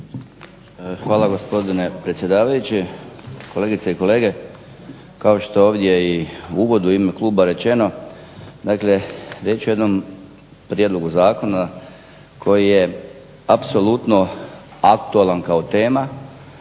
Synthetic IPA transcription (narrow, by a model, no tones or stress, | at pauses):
xʋaːlaɡo̞spo̞d̪ine̞pɾe̞t̪sʲje̞d̪aːʋajut͡ɕiko̞le̞ːɡit̪seiko̞le̞ːɡe̞ | kao̞ʃt̪oo̞ːʋd̪ʲje̞iuʋo̞d̪uimekluːbaɾe̞t͡ʃe̞no̞ | d̪akle̞ɾjet͡ɕuje̞d̪nom | pɾije̞d̪lo̞ɡuzaːko̞na | kʰo̞jije | apso̞lut̪no̞akt̪uelankao̞t̪e̞ːma